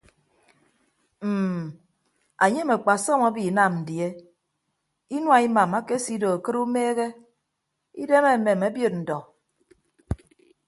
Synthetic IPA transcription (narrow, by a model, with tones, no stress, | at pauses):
m̩˨ | a˨ɲe˦me˨k͡pa˨sɔ˦ma˦bi˨˦na˨mn̩˨dje˦ | i˦nwa˨i˦ma˨ma˦ke˦si˦do˨a˨kɨ˦ɾu˦meː˦ɣe˦ | ḭ˦de˦me˦˨me˨me˨˦bjo˦˨t̚n̩˨dɔ˨